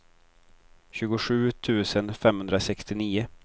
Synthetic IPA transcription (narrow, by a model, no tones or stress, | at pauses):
ɕʉ̟ːɡʊɧʉ̟ːt̪ʰʉ̟ːsənfɛmːhɵnd̪ɾasɛkst̪ɪniːʊ